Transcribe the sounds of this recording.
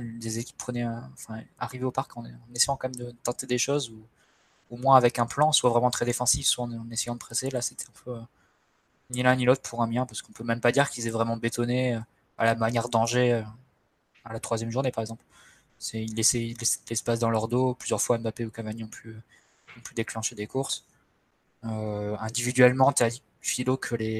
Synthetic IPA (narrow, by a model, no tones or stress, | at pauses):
d̪ezekʲi̥pːχənɛøɑ̃fɛ̃a̰ʁiveopaʁkɑ̃ɑ̃nesɛjɑ̃kɑ̃mɛmd̪ət̪ɑ̃t̪ed̪eʃozu | omwɛ̃avɛkɛ̃plɑ̃swavʁɛmɑ̃t̪χɛd̪efɑ̃sifswaɑ̃ɑ̃nesejɑ̃d̪əpχɛselaset̪ʰɛ̥ɛ̃pʰøø | nilɛ̃nilot̪χpʰuʁɛ̃mjɛ̃paʁsə̥kɔ̃pømɛmpad̪iʁkʲilzɛvʁɛmɑ̃bet̪ɔneø | a̰lamanjɛʁd̪ɑ̃ʒeø | alat̪χwazjɛmʒuʁnepaʁɛɡzɑ̃pl | sɛilːɛsɛilːɛslɛspas̬d̪ɑ̃lœʁd̪oplyzjœʁfwaɛ̃mbapeokãvaɲiɔ̃ply | ɔ̃plyd̪eklɑ̃ʃed̪ekuʁs | øɛ̃d̪ivid̪ɥɛlmɑ̃t̪yad̪i | filokʰəle